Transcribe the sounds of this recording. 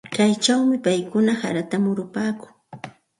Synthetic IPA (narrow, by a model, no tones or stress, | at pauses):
kajt͡ʃawmɪpajkʊnaha̰ɾat̪amʊɾʊpaːkʊŋ